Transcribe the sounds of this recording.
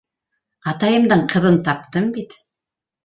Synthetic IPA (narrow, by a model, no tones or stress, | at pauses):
ɑt̪ɑjɤ̆md̪ɤɴqʰɤ̆ðɤnt̪ɑp̚t̪ɤmbit̪